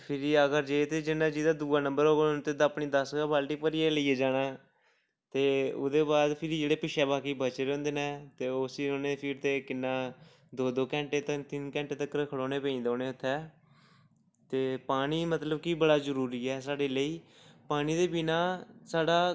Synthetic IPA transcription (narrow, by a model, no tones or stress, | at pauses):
pʰɪɾiːəɡəɾd͡ʒeːt̪eːd͡ʒɪnːãːd͡ʒiːd̪aːd̪uːaːnə̃mbəɾɦoːɡnt̪ed̪aːpɳiːd̪əsɡaːbaːlʈiːpəɾiːeːləiːeːd͡ʒaːnaː | t̪eːʊ̰d̪eːbaːd̪pʰɪɾiːd͡ʒeːɽeːpɪʃɛːbaːkiːbət͡ʃeːɾɛ̃ːnd̪eːnɛːt̪eːosiːoːneːpʰiːɾt̪eːkɪnːãː | d̪oːd̪oːkɛ̃ːɳʈeːt̪ət̪ɪnkɛ̃ːɳʈeːt̪əkːɾəkʰːəɽoːneːpə̃ĩːnd̪oːneːʊt̪ʰːɛː | t̪eːpaːniːmət̪ləbkiːbəɽaːzəɾuːɾiːɛːsaːɽeːləiː | paːniːd̪eːbinaːsaːɽaː